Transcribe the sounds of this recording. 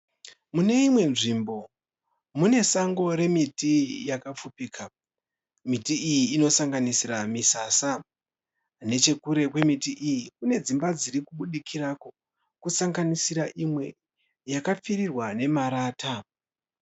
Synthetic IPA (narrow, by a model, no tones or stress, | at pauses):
mune̞imwe̞nʐimbo̞ | mune̞saŋɡo̞ɾe̞mitijakap͡fupiːka | mitiijiːno̞saŋɡanisiramisasa | ne̞t͡ʃe̞kuɾe̞kwe̞mitiʔijikune̞d͡zimbad͡ziɾikuɓuɗikʰirako̞ | kusaŋɡanisiɾaʔimwe̞ | jakap͡firirwane̞maɾaːta